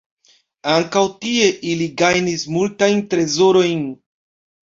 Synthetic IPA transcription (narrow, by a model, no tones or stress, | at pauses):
aŋkawtieʔiliɡajnismultajntɾe̞zo̞ɾo̞jn